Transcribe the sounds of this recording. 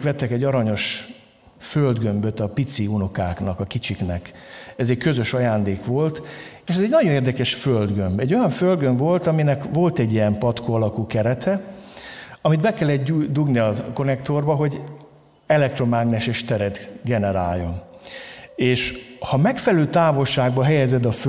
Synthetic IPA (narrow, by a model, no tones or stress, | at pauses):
kʋɛt̪ːɛkɛɟːɒɾɒɲo̞ʃ | føld̪ɡø̞mbøt̪ɒpit̪siunokaːknɒkɒkit͡ʃiknɛk | ɛzɛckø̞zø̞ʃɒjaːnd̪eːkʋo̞lt̪eːʃɛzɛɟnɒɟoneːrd̪ɛkɛʃføld̪ɡømbɛɟːo̞jɒɱføld̪ɡø̞ɱvo̞lt̪ɒminɛkvo̞lt̪ɛɟːijɛmpɒt̪koɒlɒkuːkɛɾɛt̪ʰɛ | ɒmid̪bɛkɛlːɛt̪d̪uɡniɒko̞nɛkt̪o̞rbɒɦo̞ɟ | ɛlɛk̚t̪ro̞maːɡnɛʃeːʃt̪ɛɾɛt̪ɡɛnɛɾa̰ːjːo̞̰n | eːʃhɒmɛkfɛlɛløːt̪aːvo̞lʃaːɡbɒɦɛjɛzɛd̪ɒf